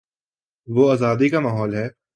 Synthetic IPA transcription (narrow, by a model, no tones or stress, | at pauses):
ʋoaːzaːd̪ikamaːɦɔːlɦɛː